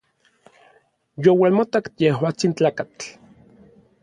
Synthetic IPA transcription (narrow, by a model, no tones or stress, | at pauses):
jowalmat̪akjehwaːt͡sint͡ɬaːkat͡ɬ